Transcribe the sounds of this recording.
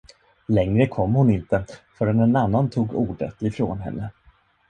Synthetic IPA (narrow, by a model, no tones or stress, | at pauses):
lɛŋɾəkʰɔmːhʊnɪnt̪əfœɾɛnɛnanːant̪ʰuːɡuːɖə̰t̪ɪfɾoːnɦɛ̰nːə